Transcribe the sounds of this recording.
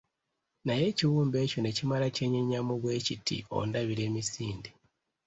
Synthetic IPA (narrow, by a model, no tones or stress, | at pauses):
naje̞ciwuːmbe̞ːco̞ne̞cimalace̞ːɲeɲamuβwe̞ːcitʰḭo̞̰ndaβiɾe̞ːmisiːndi